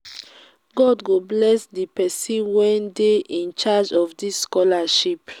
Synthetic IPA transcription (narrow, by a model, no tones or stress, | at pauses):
ɡɔdɡoblɛsdipɛsĩnwɛ̃ndeʔĩnt͡ʃad͡ʒɔfdisːkɔlaʃip